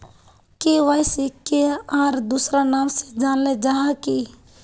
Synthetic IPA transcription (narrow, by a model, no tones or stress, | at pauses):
keʋaːjsikeaːɾd̪uːsɾanaːmsed͡ʒaːnled͡ʒaɦaki